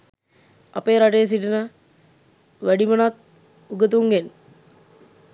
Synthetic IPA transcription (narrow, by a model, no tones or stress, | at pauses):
a̰pejːɾaʈejəs̬iʈinə | ʋæɖimənat̪̚ | uɡət̪̬uŋɡen